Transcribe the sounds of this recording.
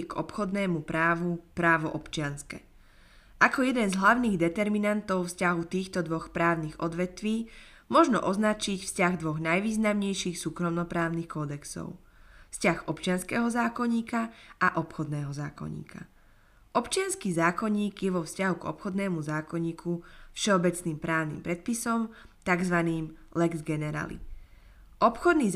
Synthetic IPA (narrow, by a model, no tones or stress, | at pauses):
ɡɔpxɔd̪nɛːmupɾaːʋupɾaːʋɔʔɔpt͡ʃɪanskɛ | ʔakɔjɛd̪ɛnzɦlaʊniːɣd̪ɛt̪ɛɾminant̪ɔʊfscaɦut̪iːxt̪ɔd̪ʋɔxpɾaːʊniɣɔd̪ʋɛt̪ʋiː | mʊɔʒnɔ̰ʔɔznat͡ʃicfscaɣd̪ʋɔɣnajʋiːznamɲɛjʃixsuːkɾɔmnɔpɾaːʊnixkɔd̪ɛksɔ̰ʊ | fscaɣɔpt͡ʃɪanskɛːɦɔzaːkɔɲiːkaʔaʔɔpxɔd̪nɛːɦɔzaːkɔ̰ɲḭːkʰa | ʔɔpt͡ʃɪanskiːzaːkɔɲiːɡjɛʋɔfscaɦuɡɔ̰pxɔd̪nɛːmuzaːkɔɲiːkʰufʃɛɔbɛt͡sniːmpɾaːʊnḭmpɾɛt̪̚pisɔm | t̪aɡzʋaniːm | lɛɡzɡɛnɛɾa̰ːlḭ | ʔɔpxɔd̪niː